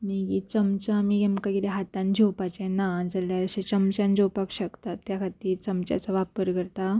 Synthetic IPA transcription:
miɡit͡səmt͡ɕamiɡemkaɡileɦat̪ãnd͡ʑewpat͡ɕẽnad͡zəljaɾəɕẽt͡səmt͡ɕãnd͡zowpakɕəkt̪at̪ːjakʰat̪iːɾt͡səmt͡ɕja̰t͡saʋapəɾɡəɾt̪a

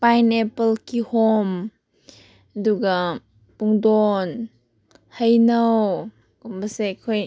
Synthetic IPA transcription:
pajnɛpəlkihɔm | duɡa | puŋdɔn | həjnow | kɔmbɐsekʰoj

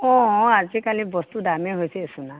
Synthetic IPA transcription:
ɔ̃azikalibɔst̪udameɦojseesuna

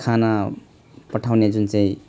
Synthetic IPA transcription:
kʰana | pʌʈʰawned͡zunt͡saĩ

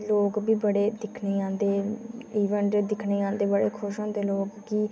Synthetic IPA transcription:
loːkbiːbəɽeːd̪ɪkʰneːãːnd̪eːiːʋəɳʈed̪ɪkʰneːãːnd̪eːbəɽeːkʰʊʃõːd̪eːloːkːiː

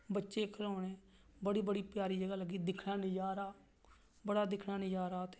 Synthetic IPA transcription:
bətːʃeːkʰəɾãːɽẽː | bəɽiːbəɽiːpjaːɾiːd͡ʒəɡaːləɡːiːd̪ɪkʰnaːnɪd͡ʒaːɾaː | bəɽaːd̪ɪkʰnãːnɪd͡ʒaːɾaːt̪e

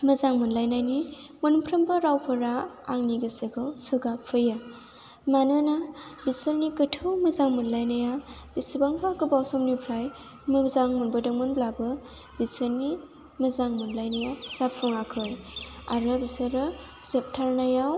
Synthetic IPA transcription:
mɐzaŋmunlajnajni | mɯnpʰɾɐmbɯɾawpʰɯɾaːŋniɡɯsɯɡɯwsɯɡapʰːɯja | manɯnabisəɾnikətʰɯwmɐzaŋmunlajnaja | b̥isibaŋpʰakɯbawsɔmnipʰɾaj | mɯzaŋmunbɯdɯŋmɯnblabɯ | bisɯɾni | mɐzaŋmunlajnajasapʰuŋakʰɯja̰ɾɯbisɯɾɯ | zep̚tʰaɾnajaw

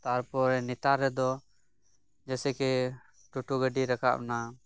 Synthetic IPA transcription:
t̪aɾpɔɾɛnit̪aɾːɛd̪ɔ | d͡ʒɛsɛkɛ | ʈuʈuɡəɖiɾaka̰ʔ̚na

